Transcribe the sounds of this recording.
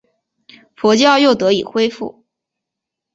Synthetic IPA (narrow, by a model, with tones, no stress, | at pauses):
fɔ˧˥t͡ɕjɑ˥˧ʊjo˥˩ʊt̪ɤ˧˥i˨˩xwe˥ɪfṵ˥˩